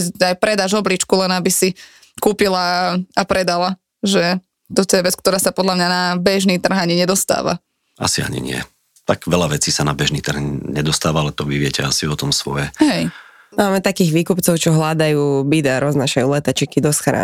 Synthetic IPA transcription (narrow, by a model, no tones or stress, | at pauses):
ajpɾɛd̪aʒɔblit͡ʃkulɛnabisi | kuːpilaapɾɛd̪ala | ʒɛ | t̪ɔt̪ɔjɛʋɛt͡skt̪ɔɾaːsapɔd̪lamɲanabɛʒniːt̪r̩ɦaɲiɲɛd̪ɔst̪a̰ːʋa̰ | a̰sia̰ɲḭɲɪɛ̰ | t̪aɡʋɛlaʋɛt͡siːsana̰bɛʒniːt̪r̩hɲɛd̪ɔst̪aːʋaalɛt̪ɔʋiʋɪɛcɛ̰a̰siɔt̪ɔmsʋɔ̰jɛhɛj | maːmɛt̪akiːɣʋiːkupt͡sɔʊt͡ʃɔɦlad̪ajuːbid̪aɾʔɔznaːʃajuːlɛt̪at͡ʃikid̪ɔsxɾa̰